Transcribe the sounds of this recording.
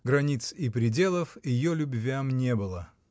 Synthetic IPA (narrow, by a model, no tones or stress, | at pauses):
ɡɾɐnʲit̪sɪpɾʲɪdʲe̞lˠəfjɪjolʲʊbvʲamnʲebɨlˠə